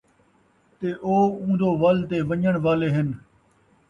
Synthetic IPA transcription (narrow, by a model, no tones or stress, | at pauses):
t̪eʔoːũːnd̪oːʋaːlt̪eːʋəɲəɽ̃ʋaːleːɦɪn